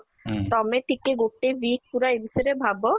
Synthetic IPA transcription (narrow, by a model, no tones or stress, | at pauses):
t̪ɔmeʈikeɡoʈːebik̚puɾaebiseɾebʱabo